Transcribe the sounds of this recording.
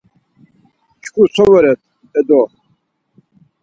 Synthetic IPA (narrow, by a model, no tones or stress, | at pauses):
t͡ʃʰkʰusʰɔvɛɾɛt̪ʰ | ɛd̪ɔ